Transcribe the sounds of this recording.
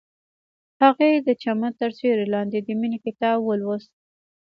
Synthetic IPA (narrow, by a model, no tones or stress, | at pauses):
haɣed̪ət͡ʃamət̪əɾseɾelɑnd̪ed̪əminikɪt̪ɑbwəlwəs̚